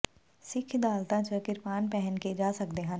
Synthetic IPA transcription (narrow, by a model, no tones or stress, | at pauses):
sɪkʰd̪aːlt̪ãt͡ʃəkɪɾpaːnpɛɦɛnked͡ʒaːsɐkd̪eɦãn